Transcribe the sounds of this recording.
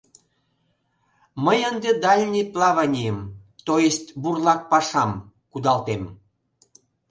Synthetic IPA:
məjənd̪ed̪ɑlʲnʲiplɑβɑnʲijəmt̪ojest̪ʲburlɑk̚pɑʃɑm | kud̪ɑlt̪em

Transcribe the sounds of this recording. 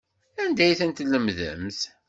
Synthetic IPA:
ænd̪æjθənt̪ləmðə̰mθ

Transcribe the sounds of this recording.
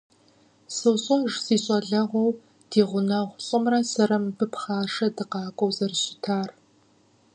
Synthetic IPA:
sɨwɕʼɔʒsiːɕʼɐɮɐʁʷɔw | d̥iːʁʷʊnɐʁʷɕʼɪmrɐsɐɾɐmbɨpχaːʂɐdɨqɑːkʷʼɔwzɐrɕʼɪ̥tʰaːr

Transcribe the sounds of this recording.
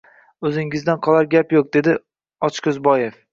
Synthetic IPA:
ɵzɪŋɪzd̪anqʰɒlˠaɾɡʲapjoq̚d̪e̞d̪ɪ | ɒt͡ʃkʲʊzbɒjef

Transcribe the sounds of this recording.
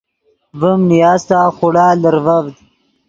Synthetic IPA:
vəmnijaːzt̪aːxʊɽaːləɾvɐvd̪

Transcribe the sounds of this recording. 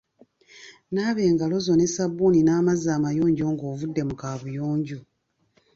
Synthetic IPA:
naːβe̞ːŋɡalo̞zo̞ne̞sabːuninaːmazaːmajoːɲɟo̞ːŋɡo̞ːvudːe̞mukaːβujoːɲɟu

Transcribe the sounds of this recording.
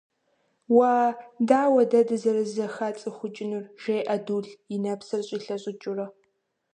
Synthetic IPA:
waːdaːwɐdɐdɨzɐɾɨzɐxat͡sʼɨxʷʊt͡ʃʼɪnurʒ̥eːʔɐduːɮɪnɐpsɨrɕʼiːɬɐɕʼɪt͡ʃʼʊrɐ

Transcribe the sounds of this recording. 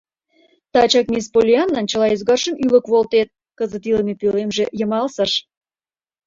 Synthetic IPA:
t̪ɑt͡ɕɑk̚mʲispolʲiɑnːɑnt͡ɕəlɑezɡɑrʃə̆mylə̆kβolt̪et̪̚ | kəzə̆t̪iləmepølemʒejə̆mɑlsəʃ

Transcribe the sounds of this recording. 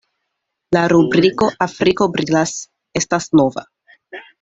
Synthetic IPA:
laɾubɾiko̞ʔafɾiko̞bɾilas | e̞stasno̞va̰

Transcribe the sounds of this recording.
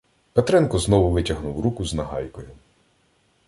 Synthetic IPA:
pet̪ɾɛnkɔznɔʋʊʋɪtʲɐɦnuwɾukʊznɐɦɑ̰jkɔjʊ

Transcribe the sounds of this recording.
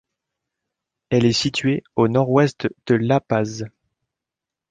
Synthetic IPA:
ɛlɛsit̪ɥeonɔʁwɛst̪d̪̥əlapaz

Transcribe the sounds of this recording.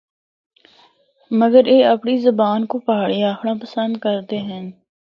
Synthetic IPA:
məɡəɾeːɐpɳizəbaːnkopaaːɭiaːxʰɽãpəsə̃nd̪̚kəɾt̪eɦɛ̃n

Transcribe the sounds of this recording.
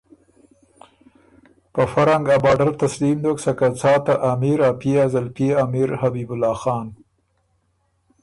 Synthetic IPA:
pəfaɾaŋɡabɑɖaɾt̪aslimd̪oksakat͡sɑːt̪aʔamiɾapeazalpeamɪɾhabibʊlɑːxɑːn

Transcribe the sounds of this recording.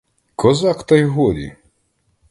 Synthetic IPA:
kʰɔzɑkt̪ɐjɦɔlʲḭ

